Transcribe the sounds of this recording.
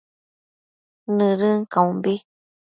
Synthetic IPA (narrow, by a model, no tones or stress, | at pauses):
nɨ̃ɾɨ̃ŋkaũmbi